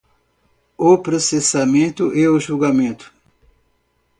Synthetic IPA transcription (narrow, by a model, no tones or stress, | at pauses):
ʊpɾosesamẽnt̪ʊʔeʊʒuwɡamẽnt̪ʊ̥